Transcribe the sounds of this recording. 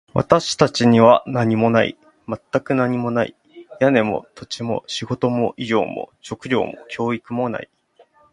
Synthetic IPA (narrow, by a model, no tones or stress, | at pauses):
βa̰t̪aɕi̥t̪at͡ɕiɲ̟iβanaɲ̟imo̞naḭ | mat̪ːakɯ̟naɲ̟imo̞naḭ | jane̞mo̞̰t̪o̞t͡ɕimo̞̰ɕiɡo̞t̪o̞mo̞ʔiʑo̞̰ːmo̰ɕo̞kɯ̟ɾʲo̞̰ːmo̰kʲo̞ːikɯ̟mo̞na̰i